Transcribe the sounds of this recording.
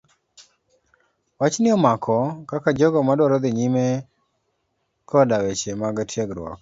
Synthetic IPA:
wat͡ʃnɪɔmakʰɔkakad͡ʒɔɡɔmadwɔɾɔd̪ɪɲime | kʰɔdawet͡ʃemaɡatʰjeɡɾwɔ̰k

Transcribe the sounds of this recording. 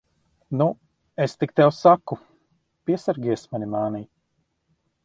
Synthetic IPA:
nu | est̪ik̚t̪ɛwsakːu | piɛsaɾɡʲiɛsmanʲimaːniː

